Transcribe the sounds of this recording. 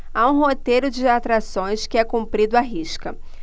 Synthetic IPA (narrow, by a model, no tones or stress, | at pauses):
aũɦot̪ejɾʊd͡ʒɪat̪ɾasõj̃skɪɛkũmpɾid̪ʊaɦiʃkɐ